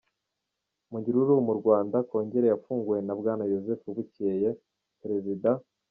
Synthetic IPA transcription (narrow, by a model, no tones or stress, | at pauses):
muɲɟiɾuɾumuɾɡwaːndako̞ːɲɟe̞ɾejafuːŋɡujenabɡaːnajo̞zefuβuceje | pɾe̞zida